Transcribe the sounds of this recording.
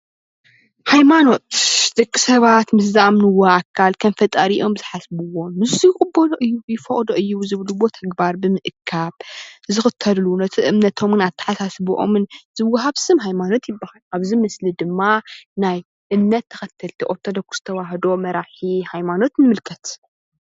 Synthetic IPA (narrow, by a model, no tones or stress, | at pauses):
hajmano̞t̪d̥̪ɐkʼːisɐβat̪mɨszamnɨwːoʔakʰːalkʰɐnfɐt̪ʼɐɾiʔo̞mɨz̥ɨħasbɨwo̞nmɨzijkʼɨbːod̪oʔɨjːujɪfɐχʼd̪oʔɨjːuzɨβɨluwo̞t̪ʰɐɡbaɾbɨmɨʔɨkʰːaβzɨxɨt̪ʰːɐllunɐt̪ʰɨʔɨmnɐt̪ʰo̞mnat̪ʰːɨ̥ħasasbuʔo̰mɨnzɨwːaɦaβsɨmɦajmano̞t̪jɪbːahalʔaβzimɐslid̪ɨmːanaj | ʔɨmnɐt̪ʰːɐxɐt̪ʰːɐlt̪ʰiʔʼot̪ʰːɐd̪ɐkʰːu̥sɨt̪ʰɐwaɦd̪o̞mɐɾaħihajmano̞t̪nɨmɨlkʰɐt̪